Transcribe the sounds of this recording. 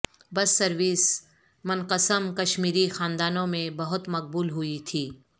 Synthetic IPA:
bɐsːɐɾʋiːs | mʊnqəsəmkɐʃmiːɾixaːnd̪aːnõmẽbɐɦʊt̪mɐq̚buːlɦʊit̪ʰiː

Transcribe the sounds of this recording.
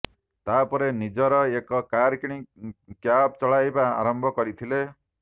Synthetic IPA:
t̪apɔɾenid͡ʒɔɾɔekɔkaɾkiɽ̃ikjab̚t͡ʃɔɭajba̰ːɾɔmbʱɔkɔɾit̪ʰile

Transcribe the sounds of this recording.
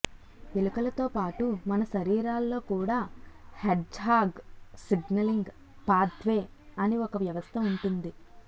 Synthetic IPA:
elukɐlɐt̪o̞ːpaːʈumɐnɐʃɐɾiːɾaːlːo̞ːkuːɽaːheɖɦaːɡsiɡnɐliŋɡ | paːd̪ʰʱʋe̞ː | ɐniɔkɐʋjɐʋɐst̪ʰɐuɳʈund̪i

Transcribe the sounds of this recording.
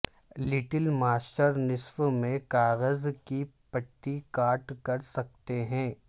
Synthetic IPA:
lɪʈəlmaːsʈəɾnɪswmẽkaːɣəzkipɐʈːikaːʈkɐɾsɐk̚t̪eɦɛ̃ː

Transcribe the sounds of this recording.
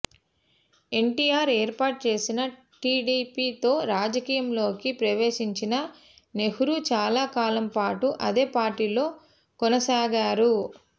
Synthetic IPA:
e̞ɳʈiːjaːɾeːɾpaːʈ̚t͡ʃe̞ːsinɐ | ʈiːɖipiːt̪o̞ːɾaːd͡ʒɐkiːjɐmlo̞ːkipɾɐʋe̞ːʃiɲt͡ʃinɐ | ne̞huɾut͡ʃaːlaːkaːlɐmpaːʈuʔɐd̪e̞ːpaːɾʈːiːlo̞ː | kɔnɐsaːɡaːɾu

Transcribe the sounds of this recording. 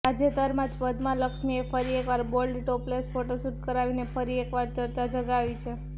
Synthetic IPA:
ad͡ʒet̪əɾmãd͡ʒpəd̪mãləkʃmiefəɾiekʋaɾbolɖʈoplesfoʈosuʈ̚kəɾaʋinefəɾiekʋaɾd͡ʒ̪əɾt̪ad͡ʒəɡaʋit͡ʃʰe

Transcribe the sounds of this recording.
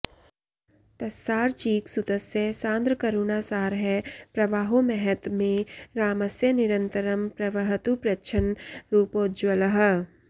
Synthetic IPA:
t̪ɐsːaːɾt͡ʃiːksʊd̪əsjəsãːnd̪ɾəkɐɾuːnasaːɾɦɛpɾɐʋaːɦomɛɦɛt̪mẽɾaːməsjənɪɾə̃nt̪əɾəmpɾɐʋəɦət̪upɾɐʃʰənɾuːpoːd͡ʒwɐləɦ

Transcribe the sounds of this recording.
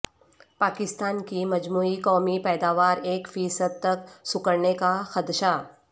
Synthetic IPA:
paːkɪst̪aːnkimɐd͡ʒmuːikɔːmipɛːd̪aːʋaːɾeːkfiːsəd̪̚t̪ɐksʊkəɾnekaxɐd̪ʃaː

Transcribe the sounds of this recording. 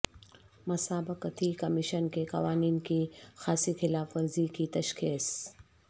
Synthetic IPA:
mɐsaːbəkət̪ʰikɐmɪʃənkeqɐʋaːniːnkixaːsixɪlaːfʋɐɾzikit̪ɐʃxiːs

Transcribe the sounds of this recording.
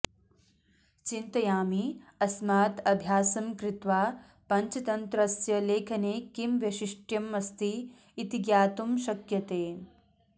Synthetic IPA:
t͡ʃint̪ɐjaːmiɐsmaːt̪ɐbʱjaːsɐmkɾɪt̪ʋaː | pɐɲt͡ʃɐt̪ɐnt̪ɾɐsjɐleːkʰɐneːkimʋjɐʃiʂʈjɐmɐst̪iː | t̪iɡjaːt̪umʃɐkjɐt̪eː

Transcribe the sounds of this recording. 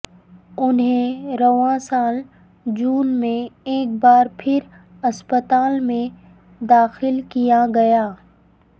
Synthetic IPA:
ʊnɦẽɾɐʋãsaːl | d͡ʒuːnmẽeːk̚baːɾpʰɪɾ | ɐspət̪aːlmẽ | d̪aːxɪlkijaɡɐjaː

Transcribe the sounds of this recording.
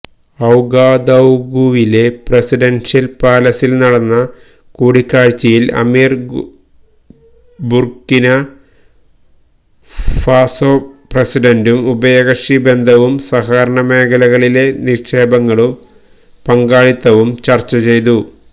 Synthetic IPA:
ɐwɡaːd̪ɐwɡuʋile̞prɐsiɖɐnʂɐlpaːlɐsilnɐɽɐnːɐ | kuːɽikːaːɻt͡ɕːɐjilɐ̰miːr | burkːinɐ | faːsoːprɐsiɖɐndumubɐjɐɣɐʂibe̞nd̪ʱɐʋumsɐhaːɾɐɳɐme̞ːkʰɐlɐɣɐɭile̞niʂeːbɐŋːɐɭum | pɐŋɡaːɭit̪ːɐʋumt͡ɕɐrt͡ɕːɐt͡ɕe̞jt̪̬u

